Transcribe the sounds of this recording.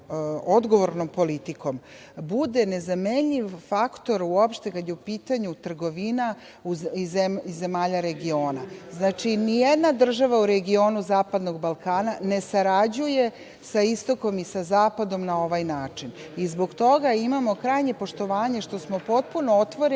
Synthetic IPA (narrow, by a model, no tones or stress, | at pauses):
o̞d̪ɡo̞ʋo̞ɾno̞mpo̞lit̪iko̞m | bud̪e̞ne̞zame̞ɲʎiʋfakt̪o̞ɾuopʃt̪e̞kad̪jeupiːt̪aɲut̪r̩ɡo̞ʋina | uieizːe̞maːʎaɾe̞ɡio̞ːnaznaːt͡ʃinijed̪nad̪r̩ʒaʋauɾeɡio̞ːnuzaːpad̪no̞ɡbalˠkaːnane̞saɾad͡ʑuje | saist̪o̞ko̞misazaːpad̪o̞mnao̞ʋajnaːt͡ʂin | izbo̞ɡt̪o̞ɡaimamo̞kɾajɲe̞po̞ʃt̪o̞ʋaːɲe̞ʃt̪o̞smo̞po̞t̪̚punoot̪ʋo̞ɾe